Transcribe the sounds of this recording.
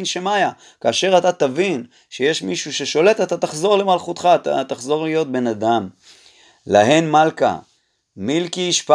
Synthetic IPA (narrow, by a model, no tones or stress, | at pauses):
nʃemaja | kaːʃe̞ʁat̪at̪avin | ʃeje̞ʃmiʃuʃe̞ʃo̞le̞t̪at̪at̪aχzo̞ʁle̞malχut̪χat̪at̪aχzo̞ʁlijo̞t̪̚be̞nad̪am | la̰he̞nmalka̰ | milkiiʃpa